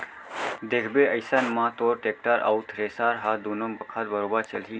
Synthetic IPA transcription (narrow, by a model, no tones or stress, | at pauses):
d̪ekʰbeəɪsənmãt̪oːɾʈeːk̚ʈaɾa̰ʊt̪ʰɾeːsaɾɦad̪oːnombəkʰat̪bəɾoːbəɾt͡ʃəlɦi